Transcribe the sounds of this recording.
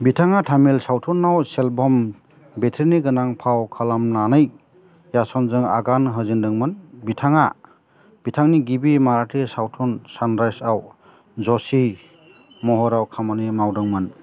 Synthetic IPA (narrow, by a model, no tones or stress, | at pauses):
bitʰaŋatʰamilsawtʰɔnːawselbɔm | betʰiɾniɡɯnaŋpʰawkʰalamnanɯj | jasɔnzɯŋa̰ɡanɦɯzindɯŋmɯnbitʰaŋa̰ | b̥itʰaŋniɡibimaɾatʰesawtʰɔnsanɾajsaw | d͡ʒɔsi | mɔɦɔɾawkʰamanimawdɯŋmɯn